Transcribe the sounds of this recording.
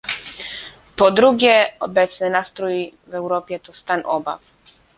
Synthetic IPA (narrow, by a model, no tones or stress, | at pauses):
pɔd̪ɾuɡjɛɔbɛt̪snɛnast̪ɾɔji | vɛwɾɔːpjɛt̪ɔst̪anʔɔba̰f